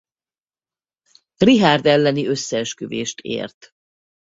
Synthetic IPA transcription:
riɦaːrd̪ɛlːɛniø̞sːɛɛʃkøveːʃt̪ʰḛːrt̪

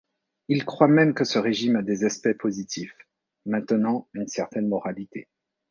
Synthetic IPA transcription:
ilkχwamɛmkəsəʁeʒimad̪ezɛspɛpʰozit̪ʰif | mɛ̃t̪ənɑ̃ynsɛʁt̪ɛnmɔʁalit̪ḛ

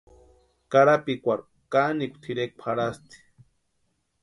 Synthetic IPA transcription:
kaɾapikʷaɾ | kanikʷt̪ʰiɾek̚ʷpʰaɽast̪i̥

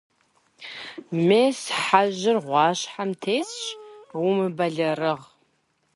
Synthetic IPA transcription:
meːsħaʑʒɪrʁʷɑːɕħamtʰejt͡sɕwumɨbɐɮɐrɨʁ

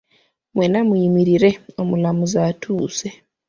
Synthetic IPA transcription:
mwenamwiimiɾiɾeomulamuzatʰuːse

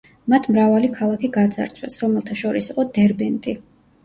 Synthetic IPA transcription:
mat̪ʰmɾavalikʰalˠakʰiɡad̪za̰ɾt̪sʰwɛ̰sɾɔmɛlˠt̪ʰaʃɔɾisiqʼɔd̪ɛɾbɛnt̪ʼi

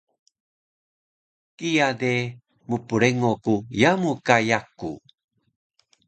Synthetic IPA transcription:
kijade | mupuɾeŋokujamukajakṵ

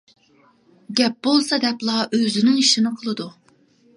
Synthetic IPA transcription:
ɡʲɛp̚bolˠsɑd̪ɛplˠɑʔøzɪnɪŋiʃinɨqʰəlˠɨd̪u

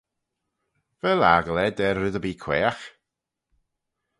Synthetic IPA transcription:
vɛlaɡəlˠɛdɛrːɨðəbiːkʰw̥ɛ̰ːax

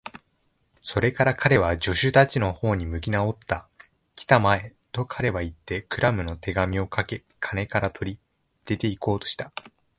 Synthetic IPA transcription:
so̞ɾe̞kaɾakʰaɾe̞β̞ad͡ʑo̞ɕɨt̪at͡ɕino̞ho̞ːɲ̟imɯ̟kʲinao̞t̪ːa | kʲi̥t̪amae̞ | t̪o̞kʰaɾe̞βait̪ːe̞kɯ̟ɾamɯ̟no̞t̪ʰe̞ɡamʲio̞kʰake̞ | kʰane̞kaɾat̪ʰo̞ɾʲi | d̪̥e̞t̪e̞iko̞ːt̪o̞ɕi̥t̪a

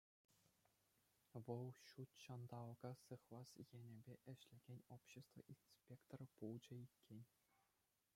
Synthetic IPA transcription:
ʋɤlˠɕut̪ɕɑnd̪ɑlɡɑsɯχlˠɑsjenʲĕbʲeʔɘ̆ɕlʲĕɡʲenʲopɕĕst̪vɤ̰̆ʔinspʲekt̪orpulˠd͡ʑɘ̆ikʲːenʲ

